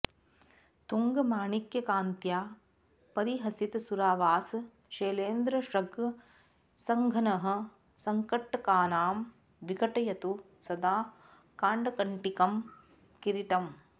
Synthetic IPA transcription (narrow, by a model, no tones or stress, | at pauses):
t̪uŋɡɐmaːɳikjɐkaːnt̪jaː | pɐɾiɦɐsit̪suɾaːʋaːs | ʃeːleːnd̪ɾɐʃɾɐɡ | sɐŋɡʱɐnɐɦɐ̆ | sɐŋkɐʈːɐkaːnaːm | ʋikɐʈɐjɐt̪u | sɐd̪aː | kaːɳɖɐkɐɳʈikɐm | kiɾiʈ̪ɐm